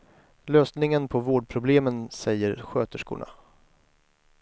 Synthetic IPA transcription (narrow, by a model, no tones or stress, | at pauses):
løːsnɪŋənpʰɔvoːɖ̚pʰɾʊbleːmənsɛjːəɾɧøːt̪əʂkṵːɳa̰